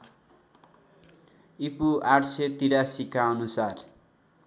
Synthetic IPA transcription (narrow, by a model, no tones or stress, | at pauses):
ipuaʈʰset̪iɾasikaʌnusar